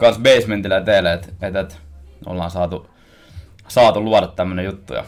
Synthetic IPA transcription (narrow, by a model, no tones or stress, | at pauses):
kɑnsbeisment̪ilæt̪eːlæet̪et̪et̪o̰lːɑ̰ːnsɑːt̪u | sɑːt̪uluɑɾɑt̪t̪æmːønejut̪ːṵjɑ̰